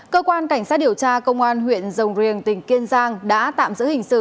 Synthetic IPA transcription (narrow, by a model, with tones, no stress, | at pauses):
kəː˧kwaː˧nka˧˩jŋ̟saː˦˥t̚ɗi˨˩əwt͡ɕaː˧kə˧wŋ͡mʔaː˧nhwḭ˧˨ənzə˨˩wŋ͡mzi˨˩ənt̪ï˨˩ŋ̟ki˧ənzaː˧ŋɗa̰ː˧˥t̪a̰ː˧˨mzɨ̰˧˥hŋ̟sɨ̰˧˨